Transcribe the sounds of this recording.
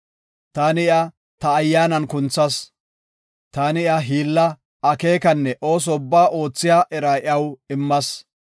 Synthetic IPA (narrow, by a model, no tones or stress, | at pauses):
t̪aːnɪɪɐ | t̪ɐːjːaːnɐnkʊnt͡sːɐs | t̪aːnɪɪɐɦiːlːɐ | ɐke̞ːkɐnːɛʔo̞ːs̬ɔʊbːaːʔo̞ːt͡sːɪjaːʔɛɾaːʔɪɐwɪmːɐs